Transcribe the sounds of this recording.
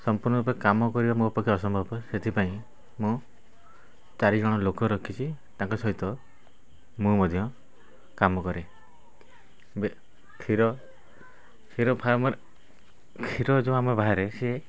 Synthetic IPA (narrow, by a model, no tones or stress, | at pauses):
sɔmpuɾnɔɾupɔkamɔkɔɾibamupɔkʰːɔɔsɔmbʱɔbɔset̪ʰipaĩ | mũ | t͡ʃaɾid͡ʒɔɽ̃ɔlokɔɾɔkʰit͡ʃʰit̪ãŋkɔsɔɦit̪ɔ | mũmɔd̪ʱjɔ | kamɔkɔɾe | be | kʰiɾɔ | kʰiɾɔpʰaɾmɔɾ | kʰiɾɔd͡ʒõamebaɦaɾese